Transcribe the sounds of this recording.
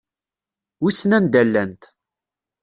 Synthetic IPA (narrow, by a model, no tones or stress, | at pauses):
isnænd̪ælːænt̪